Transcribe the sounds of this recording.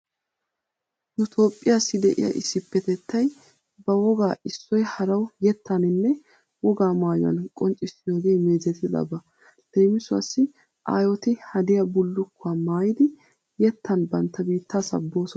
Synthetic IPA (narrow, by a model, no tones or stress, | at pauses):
nʊt̪ʰo̞ːpʼːɪjasːɪd̪ɛʔɪ̰jɐ̰ʔɪsːɪpːɛt̪ɛt̪ʰːɐj | bɐwɔɡaːɪsːɔjhɐɾɐwjɛt̪ʰːanɪnːɛ | wɔɡaːmaːjʊɐ̰nkʼɔnt͡ʃʼːɪsɪjoːɡeːme̞ːzɛt̪ɪdɐ̰bɐ | d̪̥eːmɪsʊɐ̰sːɪ | ʔa̰ːjɔt̪ɪhɐd̪ɪjɐbʊlːʊkːʊamaːjɪd̪ɪ | jɛt̪ːɐnbɐnt̪ːɐbiːt̪ʰːasɐ̰bːo̞ːsɔ